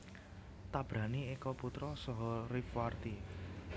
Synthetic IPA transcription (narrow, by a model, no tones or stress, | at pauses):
t̪ab̥ɾä̤niekɔput̪ɾɔsɔɦɔɾifwart̪i